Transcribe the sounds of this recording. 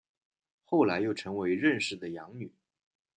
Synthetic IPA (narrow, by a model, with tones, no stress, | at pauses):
xo˥˩ʊla˧˥ɪjo˥˩ʊʈ͡ʂʰɤ˧˥ŋwe˧˥ɪɻə˥˧nʂɻ̩˥˩d̪ə˩jɑ˧˥ŋny˨˩˦